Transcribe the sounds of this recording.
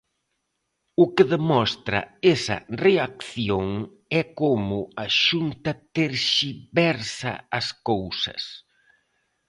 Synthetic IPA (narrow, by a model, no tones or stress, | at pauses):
ʊkɪðemɔst̪ɾɐ̰esɐ̰reakθjoŋ | ɛkomʊɐʃunt̪ɐt̪eɾʃibɛɾsɐ̰ɐskowsɐ̰s